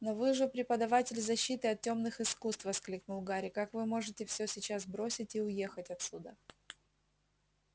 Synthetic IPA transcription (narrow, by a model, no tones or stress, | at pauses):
novɨʐɨpɾʲɪpəd̪ɐvatʲɪlʲzɐɕːit̪ɨɐt̪̚tʲo̞mnɨxɨskust̪vəsklʲiknʊlˠɡaɾʲɪkakvɨmo̞ʐɨtʲɪfsʲɵsʲɪt͡ɕasbɾo̞sʲɪtʲiʊje̞xətʲɐt̪sʲud̪ə